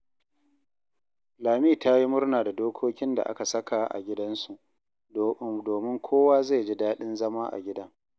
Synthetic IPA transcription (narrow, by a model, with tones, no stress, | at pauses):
laː˨miː˦˨ta˦ji˦mʊ˦ɽnaː˨da˨doː˦kʷʰoː˦kʲɪ˦nda̰˨ʔa̰˦ka˨sɐ˦ka˨ʔa̰˨ɡʲɪ˦dɐ˦nsu˨ʔ | doː˨mɪ˦ŋkʷʰoː˦waː˦za˦˨d͡ʒi˦daː˦ɗɪ˦nzɐ˦maː˦ʔa̰˨ɡʲɪ˦dɐ˦ŋ